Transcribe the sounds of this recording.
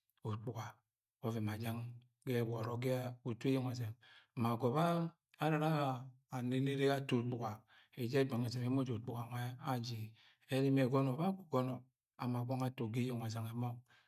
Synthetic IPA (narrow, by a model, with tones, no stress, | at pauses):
o˨k͡pu˨ɡa˨ | o˦ve˨ma˨d͡ʒa˦ŋ | ɡe˦˨wɔ˨ɾo˨ɡe˦a˦u˨tu˦e˦jo˦˨ŋ˨a˨ze˨m˨ma˨ɡo˨βaː˦ | ɾa˨ɾa˦aː˦˨ | ne˨ne˦ɾe˦a˦to˨k͡pu˨ɡa˨ | e˨d͡ʒe˦ɡ͡ba˨ŋ˨e˨ze˨me˨˦mo˦d͡ʒo˨k͡pu˨ɡa˨ŋʷa˦a˦d͡ʒi˨ | e˦ɾi˦me˨ɡo˦no˨ba˦ku˨ɡo˦nɔ˨ | a˨ma˨ɡa˦ŋa˦to˨ɡi˦jo˨ŋ˨a˨za˨ŋe˨mo˦ŋ